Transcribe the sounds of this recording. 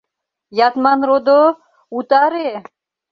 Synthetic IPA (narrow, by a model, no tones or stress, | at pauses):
jat̪manɾod̪o | ut̪aɾe